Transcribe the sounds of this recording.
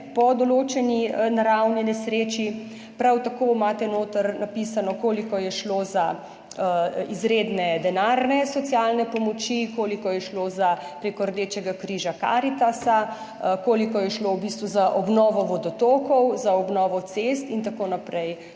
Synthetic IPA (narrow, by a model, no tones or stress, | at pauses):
pɔd̪ɔloːt͡ʃɛninaɾawnjɛnisɾeːt͡ʃi | pɾawt̪akomaːt̪ɛnoːt̪əɾnapisanɔkoːlikɔjɛʃloza | izɾed̪nɛd̪ɛnaɾnɛsɔt̪sjalnɛpɔmɔt͡ʃikoːlikɔjɛʃlozapɾeːkɔɾd̪eːt͡ʃɛɡakɾiːʒaka̰ːɾit̪asa | koːlikɔjɛʃlowbist̪ʋuzaʔɔbnɔːʋɔʋɔd̪ɔt̪oːkɔwzaɔbnɔːʋɔt̪sest̪int̪akoːnapɾɛj